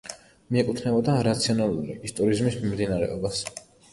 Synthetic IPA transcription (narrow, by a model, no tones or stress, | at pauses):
miɛkʼut̪ʰnɛbɔd̪aɾat̪sʰiɔnalˠulḭːst̪ʼɔɾizmismimd̪inaɾɛ̰ɔbas